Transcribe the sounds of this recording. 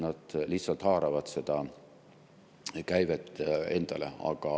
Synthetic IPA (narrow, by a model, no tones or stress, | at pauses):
nɑd̪̥liht̪sɑlt̪hɑːɾɑvɑt̪se̞d̪̥ɑ | kæjvet̪e̞nd̪̥ɑle̞̰ɑ̰ɡ̥ɑ